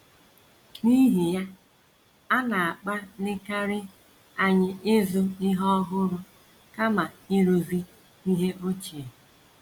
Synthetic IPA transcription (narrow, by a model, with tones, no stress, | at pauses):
ni˦ɦi˨ja˦ | a˦na˨a˨k͡pa˦lɪ˦ka˦ɾɪ˦ | a˨ɲɪ˦ʔɪ˦zʊ˦ɪ˦ɦɔ˦ɦʊ˦ɾʊ˦ | ka˦ma˨ɪ˦ɾu˨vi˦ | i˦ɦe˦ʔo˦t͡ʃi˨e˨